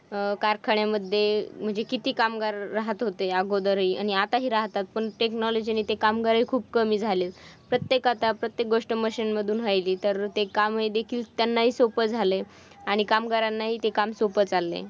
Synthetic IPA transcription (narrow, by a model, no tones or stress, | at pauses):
kaɾkʰaɳjaməd̪ʱjem̤əɳd͡zekit̪iːkamɡaɾːaɦət̪ɦot̪eaɡod̪əɾɦiːa̰ɽ̃iat̪aɦiːɾaɦt̪at̪̚pəɳʈeknɔlod͡ʑiniːt̪ekamɡaɾikʰuːb̚kəmiːd͡zʱalet̪pɾət̪jekat̪apɾət̪jek̚ɡoʂʈəməɕinməd̪ʱuːnɦajliːt̪əɾt̪ekamɦed̪ekʰiːlt̪janːaɦiːsopəd͡zʱale | aɽ̃ikamɡaɾanːaɦiːt̪ekamsopət͡salːḛ